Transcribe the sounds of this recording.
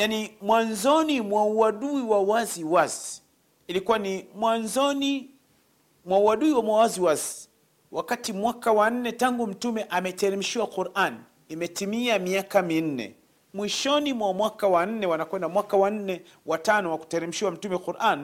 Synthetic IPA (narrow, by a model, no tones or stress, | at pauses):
janimwanzɔnimwauaɗuiwawaziwazi̥ | ilikuwanimwanzɔni | mwauwaɗuiwamwawaziwazi̥ | wʔakatimwakawan̩nɛtaŋɡum̩tumɛʔamɛtɛɾɛm̩ʃiwaquɾʔan | imɛtimiamiakamin̩nɛ̰ | mwiʃɔnimwamwakawan̩nɛwanakwɛndamwakawan̩nɛ | watanɔwaku̥tɛɾim̩ʃiwam̩tumɛquɾʔan